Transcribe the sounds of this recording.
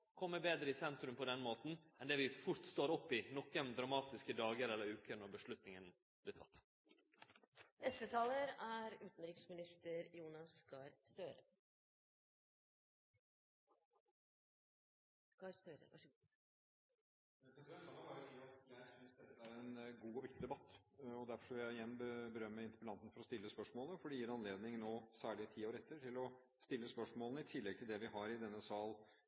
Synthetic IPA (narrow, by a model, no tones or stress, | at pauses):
kʰɔmːəbeːd̪ɾəɪsɛnt̪ɾʉmpʰɔd̪ɛnmoːt̪n̩ɛnd̪ɛːʋɪfʊɾt̪st̪oːɾɔpːɪnɔkːənd̪ɾɑmɑːt̪ɪskəd̪ɑːɡəɾɛlːəɾʉːkəɾnɔɾbəʂlʉt̪nɪŋən | b̥lɪt̪ʰɑ̰t̪ː | nɛst̪ət̪ʰɑːləɾæɾʉːt̪n̩ɾɪksmɪnɪst̪əɾjuːnɑskɑɾst̪øːɾə | kɑɾst̪øːɾə̰ʋæ̰ʂ | ɛɛsɛkɑlɑbɑɾəsiːɑt̪jæɪsɪnsd̪ɛt̪ːəæɾɛnɡuːɔʋɪkt̪ɪd̪ɛbɑt̪ːɔd̪æɾfɔʂkɔʋɪljæɪɪjɛnːbəbəɾœmːəɪnt̪ɪpəlɑnt̪n̩fɔɾɔst̪ɪlːəspœʂmoːləfɔɖɛjiːɾɑnleːd̪nɪŋnoːsæːɭɪət̪ʰiːɔɾɛt̪ʰːəʈʰɪlɔ | st̪ɪlːəspœʂmoːlnəɪt̪ʰɪlːɛɡt̪ʰɪld̪ɛʋɪhɑɾɪd̪ɛnːəsɑːl